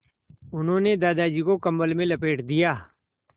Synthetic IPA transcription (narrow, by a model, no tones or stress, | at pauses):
ʊnɦõːned̪aːd̪aːd͡ʒikokɐmbəlmẽlɐpeːʈd̪ijaː